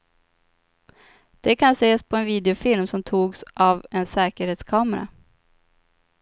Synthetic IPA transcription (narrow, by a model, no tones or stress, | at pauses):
d̪̥ɛkʰanseːspʰɔɛnviːd̪ɛʊfɪlmsɔmt̪ʰuːɡsʔavɛnsɛːkəɾheːt̪skʰɑːməɾa̰